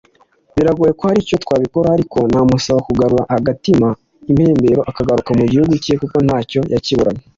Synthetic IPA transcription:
βiɾaɡuːje̞kohaɾico̞twaːβiko̞ɾahaɾiko̞n̥aːmusaβakuɡaɾuɾahaɡatima | imhe̞ːmbe̞ɾo̞ʔakaɡaɾukamuɟihuɡucijekuko̞n̥haːco̞jaciβuɾaɲe

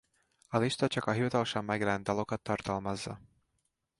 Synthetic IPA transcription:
ɒliʃt̪ɒt͡ʃɒkɒɦivɒt̪ɒlʃɒmːɛɡrɛnd̪ɒlo̞kɒt̪ːɒrt̪ɒlmɒzːɒ

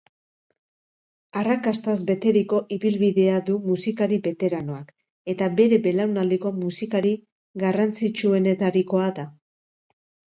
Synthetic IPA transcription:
arakast̪azbe̞t̪e̞ɾiko̞ʔiβilβiðe̞aðumusikaɾiβe̞t̪e̞ɾano̞ak | e̞t̪abe̞ɾe̞be̞lawnald̪iko̞musikaɾi | ɣarant͡sit͡ʃue̞ne̞t̪aɾiko̞aða

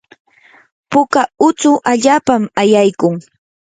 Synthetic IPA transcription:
pʊkaʊt͡sʊʔaʎaːpamajajkʊŋ

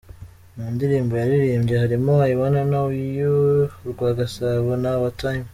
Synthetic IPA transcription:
muːndiɾiːmbojaɾiɾiːmɟehaɾimoajiβonanaijoɾɡwaːɡasaβonaβataim

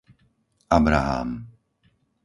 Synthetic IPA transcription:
ʔabɾaɦa̰ːm

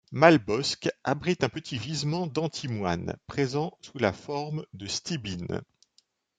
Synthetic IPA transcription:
malbɔskabʁit̪ɛ̃pət̪ʰivizmɑ̃d̪ɑ̃t̪ʰimwa̰npχezɑ̃sula̰fɔʁmd̪əst̪ibin

